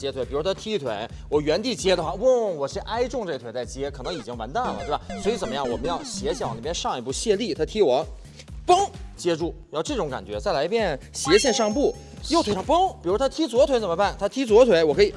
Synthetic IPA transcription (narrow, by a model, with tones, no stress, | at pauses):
jɛ˧˥t̪ʰwpi˨˩˧t̪ʰa˥t̪ʰi˥˧t̪ʰwe˧˥ɪ | wɔ˨˩ɥɛ˧˥nt̪i˥˩t͡ɕjɛ˥d̪ə˧xwa˥˩u˥˩wɔ˨˩ʂɻ̩˥˧ʔa˥ɪʈ͡ʂʊ˥˧ŋʈ͡ʂɤ˥˩˧t̪ʰe˧˥ɪt͡sa˥˩ɪt͡ɕjɛ˥kʰɤ˨˩nɤ˧˥ŋi˨˩t͡ɕi˥ŋwa̰˧˥nt̪a˥˩nlə̰˩t̪wbswi˧˥t͡sə˨˩mə˦jɑ˥˩ŋwɔ˨˩mə˧˥jɑ˥˩ʊɕjɛ˧˥ɕjɛ˥˩nwn˥˩pjɛ˥nʂɑ˥˧ŋi˧pu˥˧ɕjɛ˥˧li˥˩t̪ʰa˥t̪ʰi˥wɔ˨˩˦ | pɤ˥ŋt͡ɕjɛ˥ʈ͡ʂu˥˩jɑ˥˧ʊʈ͡ʂɤ˥˩ʈ͡ʂʊ˧˥ŋka̰˨˩nt͡ɕɥɛ˧˥t͡sa˥˩ɪla˧˥ɪpjɛ˥˩n | ɕjɛ˧˥ɕjɛ˥˧nʂɑ˥˧ŋ˧pu˥˩ | jo˥˧ʊt̪we˧˩ɪa˥pɤ˥ŋpi˨˩ɻu˧˥t̪ʰa˥t̪ʰi˥t͡swɔ˧˥t̪ʰwt͡sə˨˩mə˧˥pa˥˩nt̪ʰa˥t̪ʰi˥t͡swɔ˧˥t̪ʰwe˧˥ɪwɔ˨˩kʰɤ˧˥i˨˩